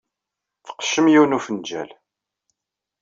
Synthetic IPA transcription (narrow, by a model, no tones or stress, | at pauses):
θə̥qə̥ʃːəmjiwnufənd͡ʒæ̰l